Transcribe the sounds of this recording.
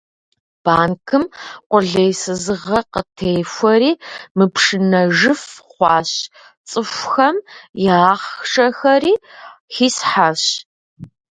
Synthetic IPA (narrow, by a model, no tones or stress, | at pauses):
b̥aːnkʰɨmqʷʊɮejsɨzɨʁɐqətʰejfʷɐɾiːmɨpʰʂɨnɐʒɨfχʷɑːɕ | t͡sʼɨfʷxɐmjaːχʂʼɐxɐɾiːxiːsħaɕ